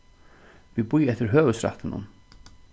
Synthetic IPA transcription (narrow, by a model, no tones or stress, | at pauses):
viðpujɛht̪ɪɾ̥ɦœːvʏsɾa̰ht̪ɪnːʊ̰n